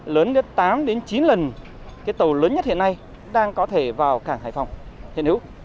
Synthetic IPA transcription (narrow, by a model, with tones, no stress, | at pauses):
ləː˨˦nɗə˨˦˥t̪aː˨˦mɗe˨˦nt͡ɕi˨˦nlə˨˩n | kaː˨˦jt̪ə˨˩wləː˨˦nɲə˦˥t̚hḭ˧˨əna˧j | ɗaː˧ŋkɔ˨˦t̪ʰe˧˩vaː˨˩wkaː˧˩ŋha̰ː˧˨jfɔ˨˩wŋ͡mhḭ˨ənhḭ˧˦˥w